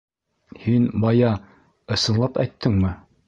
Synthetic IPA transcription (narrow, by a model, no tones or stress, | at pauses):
hinbɑjɑ | ɤ̆sɤ̆nlˠɑpæ̰jt̪ːɘŋmɘ